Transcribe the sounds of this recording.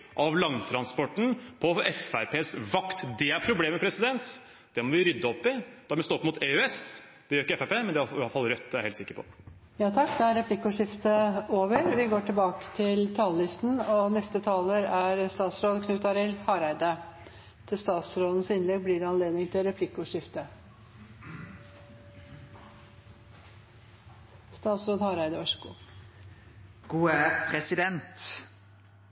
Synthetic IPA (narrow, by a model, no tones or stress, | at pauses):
ʔɑʋlɑŋt̪ʰɾɑnspɔʈːn̩pʰɔɛfæɾpʰeːsʋɑkt̪d̪ɛæɾpʰɾʊbleːmɛpʰɾɛsɪd̪ɛnt̪ | d̪̥ɛmɔʋɪɾʏd̪ːəɔpːɪd̪̥ɛmɔst̪oːɔpːmʊt̪eøɛs | d̪̥ɛjøɾɪkəɛfæpeːmɛnd̪ɛɑlɑlːfɑlɾœt̪ːæɾheːlsɪkːəɾpʰɔ̰ | jɑːt̪ʰɑkːd̪ɛæɾɛplɪkːʊʂɪft̪əoːʋəɾʋɪɡoːʈʰɪlbɑːkə̥t̪ʰɪlt̪ʰɑːləlɪst̪n̩ɔnɛst̪ət̪ʰɑːləɾæɾst̪ɑːt̪sɾoːd̪kʰnʉːt̪ɑɾɪlhɑːɾæɪd̪ə | t̪ʰɪlst̪ɑːt̪sɾoːd̪n̩sɪnlɛɡ̚blɪːɾɛɑnleːd̪nɪŋt̪ʰɪlɾɛpʰlɪkːʊʂɪft̪ə | st̪ɑːt̪sɾoːd̪hɑːɾæɪd̪əʋɑʂɡṵː | ɡ̥uːæpʰʁɛsɪd̪ɛnt̪